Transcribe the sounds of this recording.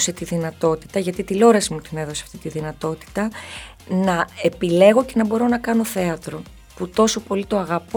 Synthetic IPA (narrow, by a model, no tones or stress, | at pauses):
se̞t̪iðinɐt̪o̞t̪i̥t̪ɐʝɐt̪it̪ilo̞ɾɐsimut̪ine̞ðo̞seɐft̪it̪iðinɐt̪o̞t̪i̥t̪ɐ | nɐe̞pile̞ɣo̞ce̞nɐbo̞ɾo̞nɐkɐno̞θe̞ɐt̪ɾo̞ | put̪o̞so̞po̞lit̪o̞ɐɣɐpo